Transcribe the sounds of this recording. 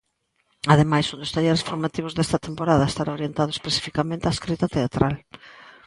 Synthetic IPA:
aðemajsund̪ʊst̪aʎeɾesfoɾmat̪iβ̞ʊzðest̪ɐt̪empoɾaðɐest̪aɾaoɾjent̪aðʊespesi̥fikamẽnt̪eaeskɾit̪ɐt̪eat̪ɾal

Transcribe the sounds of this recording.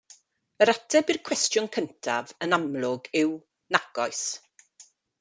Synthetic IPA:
əɾatʰɛbirkʰw̥ɛstjʊnkʰəntʰa̰vənamlˠʊɡɪw | naɡ̥ɔjs

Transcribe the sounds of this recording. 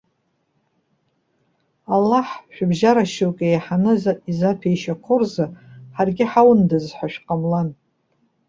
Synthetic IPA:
alːaħʃᶣabʒaɾaʃowkʲʼejħanɨzizapʰejʃakʷʰʊrzaħarɡʲɪħawndɨzħʷaʃᶣqʼamlan

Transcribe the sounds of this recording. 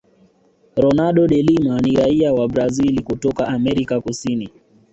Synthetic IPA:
ɾɔnaɗɔɗɛlimaniɾaiawabɾazilikutɔkaamɛɾikakusini

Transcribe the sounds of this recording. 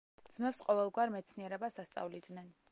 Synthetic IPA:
d̪z̥mɛpsqʼɔvɛlˠɡwaɾmɛt̪sʰniɛɾɛbasast̪sʼa̰vlid̪nɛn

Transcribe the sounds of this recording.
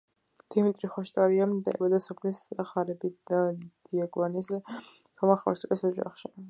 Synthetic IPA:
d̪̥imit̪ʼɾiχɔʃt̪ʼaɾiamd̪aɛ̰bad̪asɔpʰlisχaɾɛbid̪ad̪̥iaɡɔnis | t̪ʰɔmaχɔ̰ɾsʼkʼisɔd͡ʒa̰χʃi

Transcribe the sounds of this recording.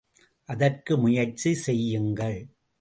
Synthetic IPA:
ʔɐðɐrkɯmʊjɐrt͡ʃisɛjːɯŋɡɐɭ

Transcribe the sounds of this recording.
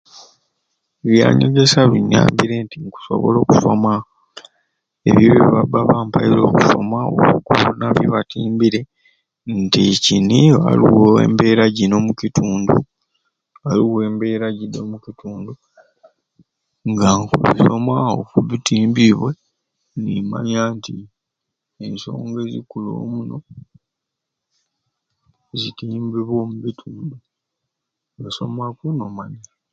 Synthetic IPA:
βja̰ːɲeɡe̞saβiɲːa̰ːmbiɾe̞ntiŋku̥so̞̰βo̰lo̞ːku̥so̞ma | ḛβjoβiβabaβaːmpailo̞ːku̥so̞̰maoβukulunaβjoβatiːmbiɾe̞ | nticinia̰liwoḛːmbe̞ːɾaɟino̞mucitʰuːndu | aliwe̞ːmbe̞ːɾaɟidomucitʰuːndu | ŋɡakuβḭsomwao̰kuβitiːmbiβwe | nima̰ɲaːnti | enso̞̰ːŋɡe̞zḭkulo̰ːmuno̞ | zitiːmbiβwo̞ːmuβitʰuːndu | βiso̞̰mwakuno̞maɲi

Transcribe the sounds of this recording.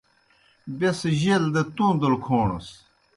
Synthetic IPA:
besʑeld̪et̪ũːd̪ɐlkʰoːɳɐ̰s

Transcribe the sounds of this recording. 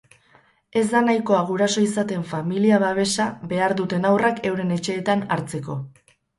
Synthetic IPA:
e̞zd̪anajko̞aɣ̞uɾaso̞isat̪e̞ɱfamiliaβaβ̞e̞saβe̞aɾðut̪e̞nawrake̞wɾe̞ne̞t͡ʃe̞ːt̪anaɾt͡se̞ko̞̰

